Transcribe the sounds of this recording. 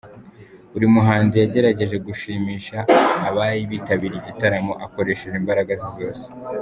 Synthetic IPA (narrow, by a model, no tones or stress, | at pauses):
uɾimuɦaːnzijaɟe̞ɾaɟe̞ʒe̞ɡuʃiːmiːʃaːβaɾiβiːtaβiɾiɟitaɾamo̞ʔako̞ɾe̞ʃeʒimbaɾaɡazizo̞ːse̥